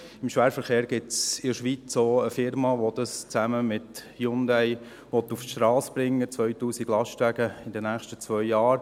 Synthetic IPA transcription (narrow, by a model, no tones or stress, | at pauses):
ɪmʃʋæːɾfəɾχeːɾɡ̥ɪtt͡sɪdʃʋit͡soːəfɪɾmɑʋɔd̪ɑst͡sæməmɪt̪ | jʊnd̪æj | ʋɔt̪ːufʃtɾɑːsb̥ɾɪŋːət͡sʋœʏtuːsiɡ̥lɑsʃtæɡ̥əɪdənæːχʃtət͡sʋœʏjɑːɾ